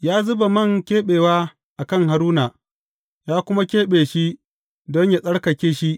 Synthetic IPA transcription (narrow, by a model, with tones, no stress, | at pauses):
jaː˦zʊ˦ba˨mɐ˦˨ŋkʲeː˦ɓeː˨waː˦ | ʔa˨kɐ˦ŋha˨ɾuː˦na˨ | jaː˦kʷʊ˦ma˦kʲeː˦ɓeː˨ʃi˦ | dɔ˦ɲja˨sʼɐ˦ɽkɐ˨kʲeː˦ʃi˦ʔ